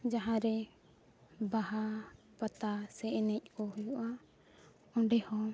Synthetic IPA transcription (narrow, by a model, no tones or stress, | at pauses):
d͡ʒaɦãɾɛ | baɦa | pat̪asɛʔɛnɛc̚ˀkɔɦujuʔa | ɔɳɖɛhɔ